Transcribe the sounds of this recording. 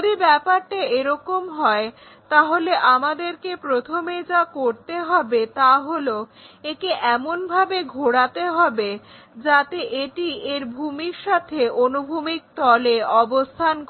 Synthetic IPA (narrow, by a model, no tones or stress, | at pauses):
od̪ibɛpaɾʈaeɾɔkomɦɔe | t̪aɦoleʔamad̪eɾkepɾot̪ʰomed͡ʑakoɾt̪eɦɔbet̪aɦoloekeʔɛmonbʱabeɡʱoɽat̪eɦɔbe | d͡ʑat̪eʔeʈieɾbʱumiɾʃat̪ʰeʔonubʱumik̚t̪ɔleɔbost̪ʰank